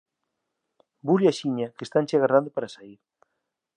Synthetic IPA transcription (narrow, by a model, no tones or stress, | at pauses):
buljaʃiɲakest̪ant͡ʃeaɣarand̪opaɾasaiɾ